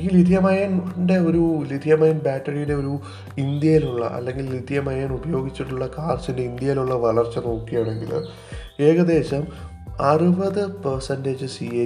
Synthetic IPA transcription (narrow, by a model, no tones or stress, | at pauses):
ɡilid̪ʱjɐmaːjaːnɳɖe̞o̞ɾulid̪ʱijɐmaːjɐmbaːʈːɐrijunde̞o̞ɾu | ind̪jɐjiluɭːɐ̰ʔɐ̰lːe̞ŋɡilid̪ʰʱijɐmajaːnubɐjo̞ːɡit͡ɕːiʈːuɭːɐkaːrsinde̞ind̪jɐjiluɭːɐʋɐɭɐrt͡ɕːɐno̞ːkːijaːɳe̞ŋɡḭl̰ | e̞ːɣɐd̪e̞ːɕɐm | ɐrɨbɐðɨpɐrsɐndeːd͡ʑɨsie